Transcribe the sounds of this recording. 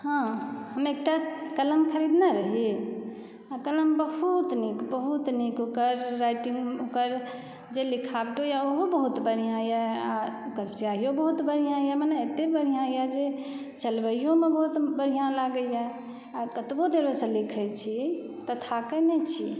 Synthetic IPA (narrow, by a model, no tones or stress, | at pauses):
hãɦəmek̚ʈakələmkʰəɾid̪naɾəɦe | akələmbəɦut̪nikbəɦut̪nikokəɾːajʈiŋɡokəɾ | d͡ʒelikʰabʈojaoɦobəɦut̪bəɽ̤ijãjaaokəɾsiaɦijõbəɦut̪bəɽ̤ijãjamanɛet̪ebəɽ̤ijãjad͡ʒe | t͡ʃəlbəjõmebəɦut̪bəɽ̤ijãlaɡəja | akət̪bod̪eɾbesə̃likʰɛt͡ʃʰi | t̪ət̪ʰakənɛt͡ʃʰi